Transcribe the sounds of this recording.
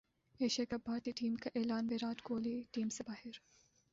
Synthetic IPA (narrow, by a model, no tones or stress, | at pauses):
eːʃɐkɐpaːɾʈ̪iʈiːmkaʔeːlaːnʋeːɾaːtɡoːliʈiːmsebaːhɪɾ